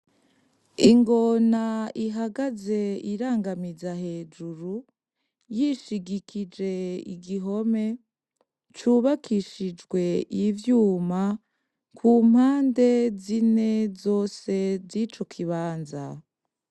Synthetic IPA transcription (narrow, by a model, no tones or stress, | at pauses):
iŋɡo̞naiɦaɡaze̞iɾaːŋɡamizahe̞d͡ʒuɾu | jiʃiɡikʰid͡ʒe̞ḭɡiɦo̞me̞ | t͡ʃuːβakʰiʃid͡ʒɡwe̞ivjuːma | kʰuːm̥haːnde̞zine̞zo̞ːse̞zit͡ʃo̞kʰiβaːnza̰